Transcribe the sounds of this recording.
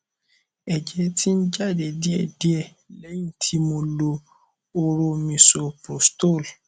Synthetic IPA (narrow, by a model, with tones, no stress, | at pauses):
ɛ˨d͡ʒɛ˦tʰi˦n̩˦d͡ʒa˦˨de˨di˦ɛ˨di˨˦ɛ˦˨ | lɛ˨˦ĩ˦˨tʰi˦mõ˧lo˧ | o˦˧ɾo˧mĩ˧so˨˧pɾo˨sto˦˨l